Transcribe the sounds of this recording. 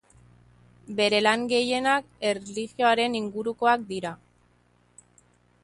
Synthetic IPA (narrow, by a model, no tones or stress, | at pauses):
be̞ɾe̞laŋɡe̞je̞nak | e̞rliɣjo̞aɾe̞niŋɡuɾuko̞ak̚d̪iɾa